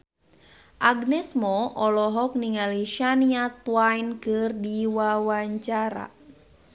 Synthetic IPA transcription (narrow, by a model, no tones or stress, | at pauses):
ʔaɡnɛsmɔɔlɔɦɔk̚niŋaliʃaniat̪wajnkɨrdiwawaɲt͡ʃaɾa̰